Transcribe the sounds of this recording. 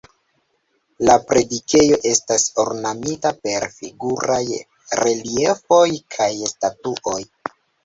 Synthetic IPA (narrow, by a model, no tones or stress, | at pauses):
lapɾe̞dike̞jo̞ʔe̞staso̞̰ɾnamitape̞ɾfiɡuɾaj | ɾe̞liefo̞jkʰajstatuʔo̞j